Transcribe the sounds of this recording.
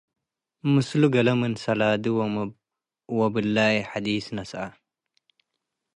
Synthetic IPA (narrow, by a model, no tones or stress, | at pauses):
mɨsluɡɐlɐmɨnsɐlaːd̪iw | wɐbɨlːaːjiħad̪iːsnɐsʔa